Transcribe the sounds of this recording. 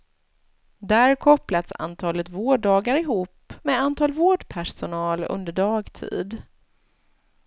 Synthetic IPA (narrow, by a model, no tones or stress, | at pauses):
d̪æɾkʰɔplat̪sa̰nt̪ʰɑːlət̪voːɖɑːɡaɾɪɦuːpmɛːant̪ʰɑːlvoːɖpʰæʂʊnɑːlɵ̰nd̪əɖɑːɡt̪ʰḭːd̪